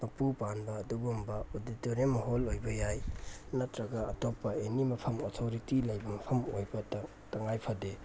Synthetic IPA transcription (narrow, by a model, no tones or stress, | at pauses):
mɐpupanbɐːdubumbɐoditoɾimɐɦolojbɐjajnɐtɾɐɡɐɐtopːɐenimɐpʰɐmotʰoɾitilɐjbɐmɐpʰɐmojbɐt | tɐŋajpʰɐde